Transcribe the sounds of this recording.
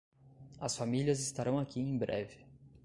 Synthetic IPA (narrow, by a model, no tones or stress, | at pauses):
ɐsfamiliɐzɪst̪aɾɐ̃w̃akʲiẽj̃bɾʔɛ̰vɪ